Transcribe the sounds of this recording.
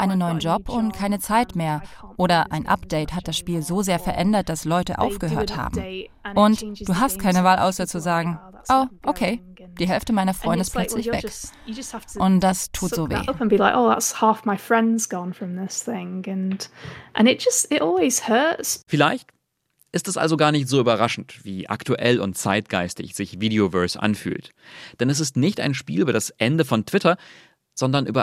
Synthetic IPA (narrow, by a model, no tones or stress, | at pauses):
ʔaɪnənːɔʏənd͡ʒɔpʰʊntkʰaɪnət͡saɪtmeːɐʔoːɾɐʔa̰ɪnʔa̰pd̥eɪthat̚d̥asʃpiːlzoːzeːɐfɛɐʔɛndɐt̚d̥aslɔʏtəʔa̰ʊfɡ̥əɦøːɐtha̰ːbm̩ẽnʔʊntːd̥uːɦast̚kʰaɪnəvaːlʔa̰ʊsɐt͡suzaːɡŋ̩ | ʔoːʔokʰeː | d̥iːɦɛlftəmaɪnɐfʁɔʏndəɪstpllœt͡slɪçvɛ̰k | ɨd͡ʒshʔʊntd̥astʰuːtz̥oːvḛːʌpə̃nbilaɪkoʊða̰tshaˑfmaɪfɹɛ̃ndzɡɔ̃nfɹʌ̃mðɪsθɪ̃ŋɨ̃nʔə̰̃nɪt̚d̥ʒ̥ʌstɪɾʔɔlˠwiz̥hɜ˞tsfɪlaɪçt | ʔɪstɛsʔa̰lzoɡaːɐnɪçtz̥oːyːbɐʁaʃn̩tv̥iːʔa̰ktʰuʔɛlʊ̰ntt͡saɪt̚ɡ̥aɪstɪ̰çz̥ɪçviːdeovœɐsʔa̰nfy̰ːltd̥ɛnɛs̬ɪstnɪçta̰ɪnʃpiːlʔyːbɐdasʔɛndəfɔntʰv̥ɪtʰɐ | z̥ɔndɐnʔy̰ːbɐ